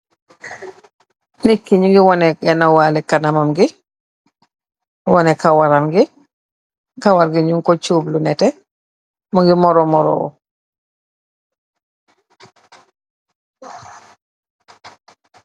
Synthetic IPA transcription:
nikːiɲuŋɡiwɔnɛɡɛnawalɛkanamamɡi | wɔnɛkawaɾamɡi | kawaɾɡiɲuŋkɔt͡ʃuːblunɛtɛ | mɔɡimɔɾɔmɔɾɔ̰wɔ̰

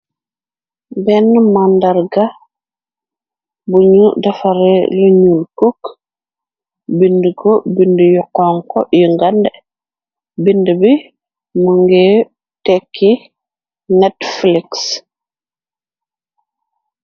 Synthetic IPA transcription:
bɛnmandaɾɡa | buɲudafaɾɛ̰luɲulkuk | bindɡɔbindjɔkːɔŋkɔjiŋɡandɛ | bindbi | muŋɡɛ | tɛkːi | nɛtfliks

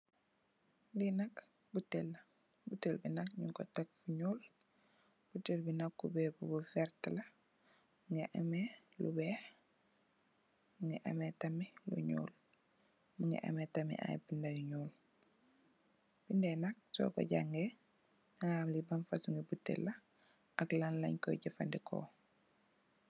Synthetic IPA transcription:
linɐk | butːelːɐ | butːelbinɐkɲuŋkɔtak̚fuɲuːl | b̥utːelbinakːubɛːbubufɛɾtlɐ | uŋeʔame | lṵbɛːh | muŋɡɛ̰ʔa̰mɛtɐmilṵɲṵːl | muŋɡḛʔa̰metɐmḭʔa̰jbindajuɲuːl | b̥indɛnak̚sɔ̰ːkɔ̰ɟa̰ŋɡe | naŋaːmlibɐmfasuŋɡebutːḛlːɐ | aklanlɐ̰ɲkɔ̰ɟɐfa̰ndikʰo̰ː

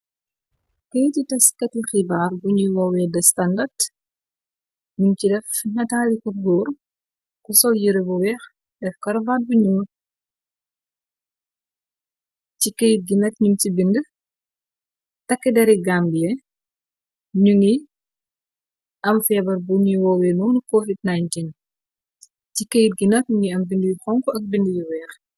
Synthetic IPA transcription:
kɛjtitɐskɐtixibarbuɲuwɔwɛdɐstɐndɐrd | ɲumt͡ʃidɛfnɐtaːlikuɾɡɔːɾ | kusɔljiɾebuwɛx | dɛfkɐɾvat̚buɲuŋ | cikejit̚ɡinɐtɲumt͡ʃibində | tɐkːidɛɾiɡambijɛ | ɲuŋi | ʔɐmfɛbɐɾbuɲwɔwɛnunkofid̚najntin | cikejit̚ɡinɐt̚ɲuŋɡiɐmbindəjuxɔŋkɔɐk̚bindəjuwɛːx

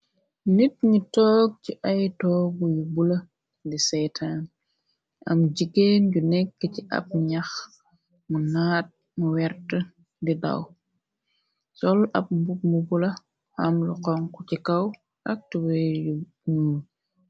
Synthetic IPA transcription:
nitɲitɔːk̚t͡ʃiʔajtɔːbujubula | disɛjtʰaːn | ʔamd͡ʒiɡeːnɟunɛkːəciʔa̰p̚ɲax | munaːt̚ | muwɛɾtə | dida̰w | sɔlap̚mbuk̚mubulɐ | hamluqɔŋkucikaw | ʔɐk̚tiwɛju | nun

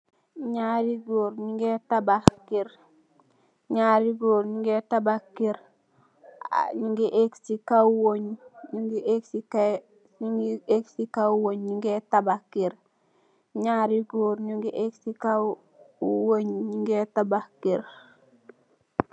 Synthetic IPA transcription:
ɲaɾiɡoɾɲiŋɡetabakiɾ | ɲaɾiɡoːɾɲiŋɡetabakiɾ | ɲiŋɡeʔeksikawoɲɲiŋɡiʔeksika | ɲiɡeksikawoɲɲiŋɡetabakːiɾ | ɲaɾiɡoɾɲuŋɡiʔeksikaw | woɲɲiŋɡetabakːiɾ

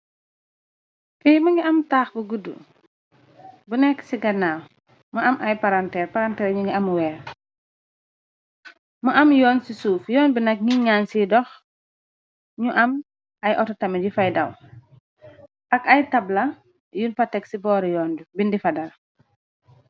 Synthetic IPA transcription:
pijmɐŋɡiɐmtaːxbəɡudṵ | bunɛkːsiɡɐnaːw | mɐɐmʔɐjpɐɾantɛːɾpaɾantɛːɾɲuŋɡiɐmwɛːɾ | mɐʔɐmjɔːnsisuːfjɔːnbinɐk̚ŋiɲansidɔx | ɲuʔɐm | ɐjʔɔtɔtɐmiɟifɐjdɐw | ʔɐkɐjtɐblɐ | junfɐtɛksibɔːɾjɔːndubindifɐdɐl

